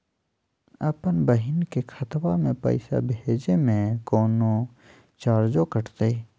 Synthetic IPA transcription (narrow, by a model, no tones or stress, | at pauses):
əpənbəɦɪnkekʰət̪wamẽpə̰ɪsa̰bʱed͡ʒemẽkoːno | t͡ʃaːɾd͡ʒokəʈʰt̪e